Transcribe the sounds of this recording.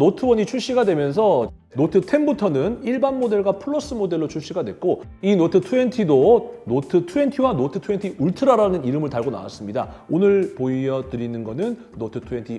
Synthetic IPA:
notʰɯwʌɲit͡ɕʰuɭɕ͈iɡadwe̞mjʌns̬ʰʌ | notʰɯtʰe̞nbutʰʌnɯniɭbanmode̞ɭɡwapʰɯɭːos͈ɯmode̞ɭːot͡ɕʰuɭɕ͈iɡadwe̞̰k̚k͈o | inotʰɯtʰuentʰidonotʰɯtʰue̞ntʰiwanotʰɯtʰue̞ntʰiʔuɭtʰɯɾaɾanɯniɾɯmɯɭtaɭɡona̰wa̰s͈ɯmɲida̰ | onɯɭpoiʌdɯɾinɯnɡʌnɯnːotʰɯ̥tʰue̞ntʰi

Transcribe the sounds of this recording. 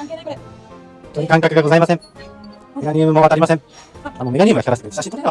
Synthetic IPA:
hoõnt̪oɲikãŋkakɯ̟ɡaɡo̞zaimasẽ̞ŋ | meɡaɲ̟ʲiɯmɯ̟moβat̪aɾʲimasẽanome̞ɡaɲʲimɯɡaçiaɾasɨnkaɕit̪oɾ

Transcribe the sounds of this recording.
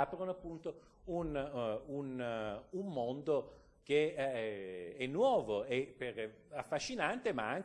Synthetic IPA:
apɾonoapːunt̪o | ununumːond̪o | ke | ɛnːwɔːvoepːer | afːaʃːinant̪emaaŋ

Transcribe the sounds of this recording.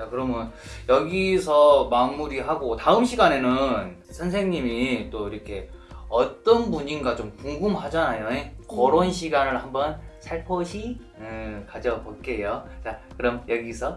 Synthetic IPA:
t͡ɕakɯɾʌmjʌn | jʌɡisʰʌmanmuɾiɦaɡotaɯmɕʰiɡane̞nɯn | sʰʌns̬ʰe̞ŋɲimit͈oiɾʌkʰe̞ | ʌt͈ʌnbuɲinɡat͡ɕomkuŋɡumhad͡ʑanajonekʌɾonɕʰiɡanɯɭhambʌnsʰaɭpʰʌɕʰi | kad͡ʑʌboɭk͈e̞jot͡ɕakɯɾʌmjʌɡisʰʌ

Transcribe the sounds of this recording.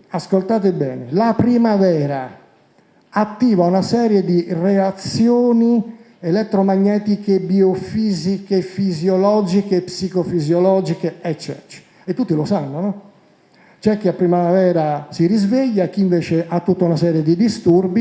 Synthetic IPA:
askolt̪aːt̪̬ebɛ̰ːnelapɾimavɛːɾa | at̪ːiːvaunasɛːɾjed̪ireat̪sjoːni | elɛt̪ːɾomaɲːɛːt̪ikebiofiːzikefizjolɔːd͡ʒikepsikofizjolɔːd͡ʒikeɛt͡ʃːɛ̰ːt͡ʃe̥ | et̪ːut̪ːilosanːonɔ | t͡ʃɛk̟ːiapɾimavɛːɾasiɾizveʎːak̟ːiːɱveːt͡ʃeʔat̪ːut̪ːaunasɛːɾjed̪id̪ist̪urbi

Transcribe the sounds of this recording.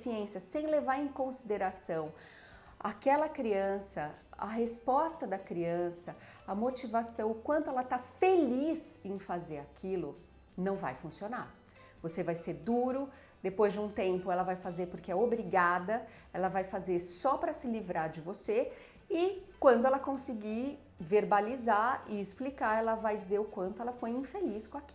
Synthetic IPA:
siẽsiɐsẽj̃levaɾẽkõsid̪eɾasɐ̃w̃ | a̰kɛlɐkɾiɐ̃sɐ | ɐ̰ɦespɔst̪ɐd̪ɐkɾiɐ̃sɐ | ɐmot͡ʃivasɐ̃w̃ʊkwɐ̃nt̪ʊɛlɐt̪afelizẽj̃fazeɾakʰilʊ | nɐ̃w̃va̰jfũsiona̰ɾ | vosevajseɾd̪uɾʊ | d̪epojzd͡ʒɪũt̪ẽmpʊɛlɐvajfazeɾpʊɾkeɛobɾiɡad̪ɐ | ɛlɐvajfazeɾsɔpɾɐsɪlivɾaɾd͡ʒɪvose | ɪkwɐ̃nd̪ʊɛlɐkõsɪɡi | veɾbalizaɪɪsplikaɾɛlɐvajd͡ʒizeɾʊkwɐ̃nt̪ʊɛlɐfojĩfeliskõaki̥

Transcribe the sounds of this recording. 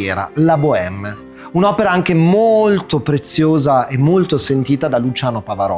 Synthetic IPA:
ɛːɾa̰laboɛmː | unɔːpeɾaaŋk̟emolt̪opɾet̪sːjoːzaemːolt̪osent̪iːt̪ad̪alut͡ʃaːnopavaɾɔ̰

